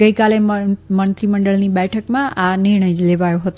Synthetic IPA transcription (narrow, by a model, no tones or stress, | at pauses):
ɡəikalemənt̪ɾiməɳɖəɭniɓɛʈʰəkmãʔanɪɾɳ̃əjleʋajoɦət̪o